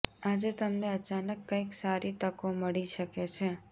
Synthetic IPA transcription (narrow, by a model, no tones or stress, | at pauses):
ad͡ʒet̪əmneət͡ʃanəkːə̃iksaɾit̪əkoməɭiʃəket͡ʃʰe